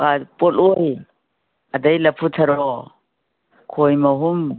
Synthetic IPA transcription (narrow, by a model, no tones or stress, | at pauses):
apɔloj | adajlɐpʰutʰɐɾɔ | kʰojmɔɦum